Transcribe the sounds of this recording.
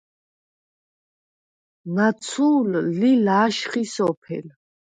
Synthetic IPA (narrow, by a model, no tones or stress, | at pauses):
nat̪sʰuːlːilaːʃχisɔpʰɛ̰l